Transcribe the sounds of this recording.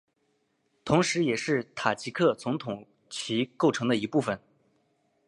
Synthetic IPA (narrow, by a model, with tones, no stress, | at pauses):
t̪ʰʊ˧˥ŋʂɻ̩˧˥jɛ˨˩ʂɻ̩˥˩t̪ʰa˨˩t͡ɕʰi˧˥kʰɤ˥˩t͡sʊ˧˥ŋt̪ʰʊ˨˩ŋ | t͡ɕʰi˧˥ko˥˩ʊʈ͡ʂʰɤ˧˥ŋd̪ə˧i˧˥pu˥˩fə˩n